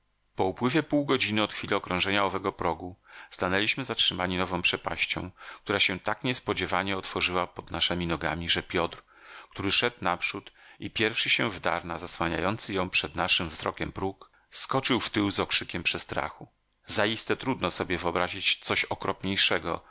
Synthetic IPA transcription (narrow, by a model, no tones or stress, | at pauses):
pɔupwɘvʲjɛpuwɡɔd͡ʑinɘɔt̪xfʲilɛɔkɾɔ̃w̃ʐɛɲaɔvɛɡɔpɾɔɡust̪anɛlʲiɕmɘzatʂɘmaɲinɔvɔ̃w̃pʂɛpa̰ɕt͡ɕɔ̰̃w̃k̚t̪uɾaɕɛ̃t̪akɲɛspɔd͡ʑɛvaɲɛɔt̪fɔʐɘwapɔd̪naʂɛmʲinɔɡa̰mʲiʐɛpʲjɔt̪ɾ | kt̪uɾɘʂɛd̪napʂut̪ʔipʲjɛɾfʂɘɕɛvd̪a̰ɾnazaswaɲa̰jɔnt̪sɘjɔ̃w̃pʂɛd̪naʂɘmvzɾɔ̰kʲɛmpɾuk | skɔt͡ʂɘwft̪ɘwzɔkʂɘkʲɛmpʂɛst̪ɾa̰xu | zajist̪ɛt̪ɾud̪nɔsɔbʲjɛvɘɔbɾaʑit͡ɕt̪sɔɕɔkɾɔpɲejʂɛɡɔ̰